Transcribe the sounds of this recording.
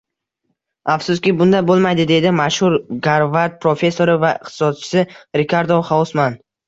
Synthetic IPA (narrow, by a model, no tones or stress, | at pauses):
afsʊskʲɪbʊnd̪abolˠmajd̪ɪd̪e̞d̪ɪmaʃhʊɾɡaɾvat̪̚pʰɾo̞fe̞sːo̞ɾɪvaɪqt̪ʰɪ̥sɒd̪̚t͡ʃʰɪ̥sɪɾɪkʲʰaɾd̪oχawʊsman